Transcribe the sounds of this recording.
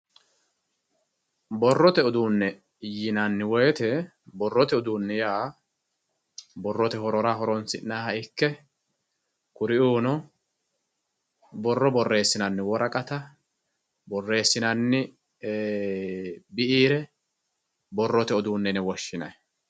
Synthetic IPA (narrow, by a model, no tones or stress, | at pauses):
bɔrːɔt̪ɛɔd̪uːnːɛ | jɪnɐnːɪwɔjɛt̪ɛ | bɔrːɔt̪ɛɔd̪uːnːɛjaː | bɔrːɔt̪ɛɦɔɾɔɾaɦɔɾɔnsɪnːahɐɪkːɛ | kʊɾɪuːnɔ | bɔrːɔbɔrːe̞ːsːɪnɐnːɪwɔɾɐkʼɐt̪ɐ | bɔrːe̞ːsːɪnɐnːɪ | bɪʔiːɾɛ | bɔrːɔt̪ɛɔd̪uːnːɛnɛwɔʃːɪnɐ̰jɛ